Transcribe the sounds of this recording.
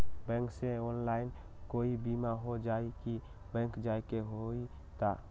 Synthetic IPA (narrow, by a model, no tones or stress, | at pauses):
bɛ̃ːŋkseɔːnlaːɪn | koːibimaɦod͡ʒaiki | bɛ̃ːŋkd͡ʒaikeɦoi | t̪a